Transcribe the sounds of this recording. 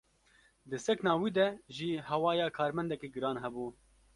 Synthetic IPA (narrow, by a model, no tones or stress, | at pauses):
d̪ɨsɛknɑːwiːd̪ɛʒiːhɛwɑːjɑːkʰɑːɾmɛnd̪ɛkeːɡɨɾɑːnɦɛbuː